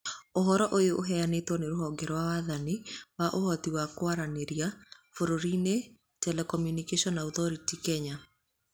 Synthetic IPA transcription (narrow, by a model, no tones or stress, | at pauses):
oɦɔɾɔʔojoʔoɦɛanetwɔneɾoɦɔɡɛɾɔwawaðaniwaʔohɔtiwakwaɾaneɾjafoɾoɾine | tɛlɛkɔmjunikeʃɔnauθɔɾitikɛɲa